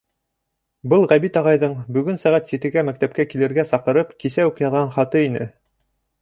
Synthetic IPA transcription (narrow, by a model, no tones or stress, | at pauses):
bɤlˠʁæβit̪ɑʁɑjðɤɴbɵ̆ɡɵnsæʁæt̪jɘ̆t̪ɘ̆ɡæmæk̚t̪æp̚kækilɘ̆ɾɡæsɑqɤ̆ɾɤpkisæʉkjɑðʁɑɴχɑt̪ɤinɘ̰